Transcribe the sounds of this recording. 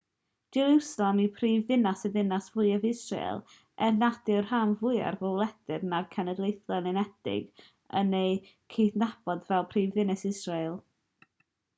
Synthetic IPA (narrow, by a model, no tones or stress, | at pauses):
d͡ʒ̥ɛɾusalˠamipʰriːvðɪnasɛðɪnasvʊɨavɪsrḛjlˠ | ɛrnadɪrhamvʊja̰rvɔwlˠɛdɪrnarkʰɛnədlˠejθlˠɛnɪnɛd̥ɪ̰ɡ | ənej | kʰeθnab̥ɔdvɛlˠpʰriːvðɪnɛsɪsreɨlˠ